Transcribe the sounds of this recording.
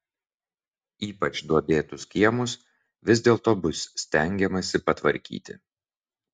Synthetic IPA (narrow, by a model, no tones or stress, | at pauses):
iːpɐt͡ʃd̪uɔbʲeːt̪ʊskʲiɛmʊs | ʋʲɪzʲd̪ʲeːlˠt̪oːbʊsːʲt̪ʲɛŋʲɡʲɛmɐsʲɪpɐt̪ʋɐɾʲkʲḭːt̪ʲɪ̰